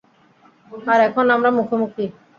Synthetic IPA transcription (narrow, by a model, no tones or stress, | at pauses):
aɾɛkʰonamɾamukʰomukɾi